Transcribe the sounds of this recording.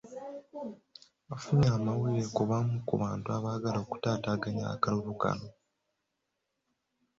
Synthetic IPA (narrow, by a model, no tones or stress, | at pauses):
afuɲaːmawiɾekuβamukuβaːntuaβaːɡalo̞ku̥taːtaːɡaɲa̰kaluluka̰no